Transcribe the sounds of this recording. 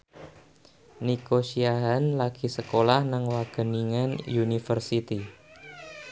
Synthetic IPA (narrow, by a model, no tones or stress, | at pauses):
nikoʃiaɦanlaɡ̥i̤səkolahnaŋwaɡ̥ə̤niŋanjunifərsit̪i